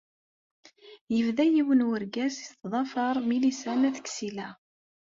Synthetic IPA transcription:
jəvðæjiwənwəɾɡæsi̥st̪ːðˤɑfɑɾˤmilisænæθə̥kːsilæ

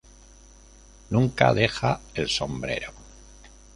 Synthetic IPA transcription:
nuŋka̰ðe̞xaelso̞mbɾe̞̰ɾo

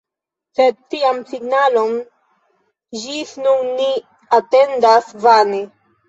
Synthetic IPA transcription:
seɾt̪iamsiɡnalom | ʒisnunːi | at̪end̪asvane

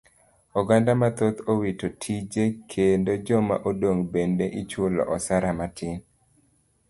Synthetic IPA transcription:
ɔɡandamat̪ot̪owitotʰid͡ʒekʰendod͡ʒɔma̰ʔodoŋbendeʔit͡ʃʊlɔ̰ʔɔsaɾamatʰɪn

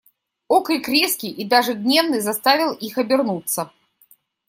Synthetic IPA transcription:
okɨjkɾʲeskʲɪjʔid̪aʐɨd̪ʲnʲevnɨjzɐst̪avʲɪlˠixɐbʲɪrnut̪sːə

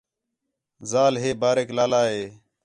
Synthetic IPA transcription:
zaːlɦeːbaːɾeːklaːlaːɦeː

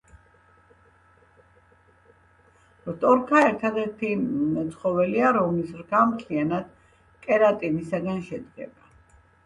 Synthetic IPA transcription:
vt̪ʼɔɾkʰaɛɾt̪ʰad̪ɛɾt̪ʰimɛt̪sʰχɔvɛliaɾɔmlisɾɡamt̪ʰlianad̪̥ | kʼɛɾat̪ʼinisaɡanʃɛd̪ɡɛ̰ba

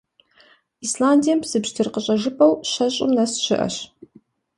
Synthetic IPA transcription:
islaːndijɛmbz̥ɨbʒtʰɨrqəɕʼɐʐɨpʼɐwɕɐɕʼʊ̰mnɐsɕɪ̰ʔɐ̰ɕ

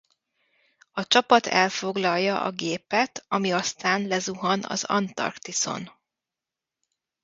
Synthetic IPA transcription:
ɒt͡ʃɒpɒt̪ɛlfo̞ɡlɒlːɒʔɒ̰ɡeːpɛt̪ʰɒmiɒst̪aːnlɛzuɦɒnɒ̰zɒ̰nt̪ɒ̰rkt̪iso̞̰n

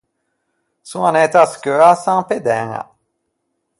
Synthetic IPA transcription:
suanɛt̪askøasãŋped̪ɛŋa̰

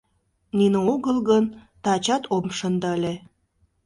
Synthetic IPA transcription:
nineoɣəlɣən | t̪ɑt͡ɕɑt̪ʰomʃənd̪əlʲe

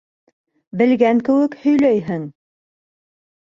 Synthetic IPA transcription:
bɘ̆lɡæŋkɘ̆wɘkhɵ̆jlæjɦɘŋ

